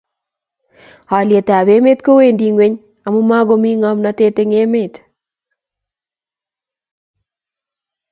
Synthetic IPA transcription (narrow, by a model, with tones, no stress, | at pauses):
ha˨lje˨tɛ˨a˨be˦me˦t̪ko˦we˨ndi˨ŋwe˦ɲ | a˨mʊ˦ma˦ɡo˦mi˦ŋa˦mna˦te˦te˦ŋe˦me˦˨t̪